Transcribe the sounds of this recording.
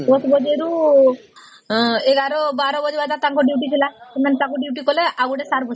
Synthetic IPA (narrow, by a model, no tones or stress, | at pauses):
d̪ɔsbɔd͡ʒeɾu | eɡaɾɔbaɾɔbɔd͡ʒebad̪at̪aŋkuɖiwʈit͡ʃʰilakenant̪ãŋkuɖiwʈikoleʔaɡuɽesaɾbʱɔs